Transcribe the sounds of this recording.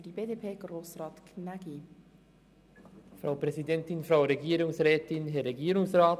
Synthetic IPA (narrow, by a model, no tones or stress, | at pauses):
fd̥ibeːdeːpʰeːɡ̥ɾoːsrɑːtkʰnæɡ̥i | fɾaʊpʁ̥ɛzidɛntɪnfʁaʊɾeɡiːɾʊŋsʁɛːtɪnɦɛɾɛɡiːɾʊŋsʁaːt